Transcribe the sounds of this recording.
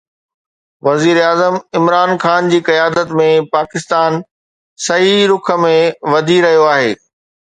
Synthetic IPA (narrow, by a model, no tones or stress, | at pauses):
ʋɐziːɾaːzəmɪmɾaːnxaːnd͡ʑiːkɐjaːd̪ət̪mẽpaːkɪst̪aːn | sɐɦiɾʊkʰə̆mẽʋɐd̪ʱiɾɐɦijoaːɦeː